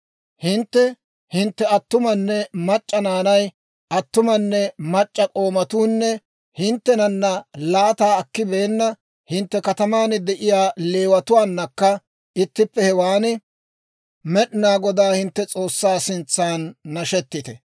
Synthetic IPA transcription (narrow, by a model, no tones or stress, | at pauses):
hɪnt̪ːɛ | hɪnt̪ːɛɐt̪ːʊmɐnːɛmɐt͡ʃʼːɐnaːnɐj | ʔɐt̪ːʊmɐnːɛmɐt͡ʃʼːɐkʼo̞ːmɐt̪uːnːɛ | hɪnt̪ːɛnɐnːɐlaːt̪aːɐkːɪbe̞ːnːɐ | hɪnt̪ːɛkɐt̪ɐmaːnɪd̪ɛʔɪjaːle̞ːwɐt̪ʊwaːnːɐkːɐ | ɪt̪ːɪpːɛhɛwaːnɪ | mɛɗɪnaːɡɔd̪aːhɪnt̪ːɛt͡sʼo̞ːsːaːsɪnt͡sːaːnːɐʃɛt̪ːɪt̪ɛ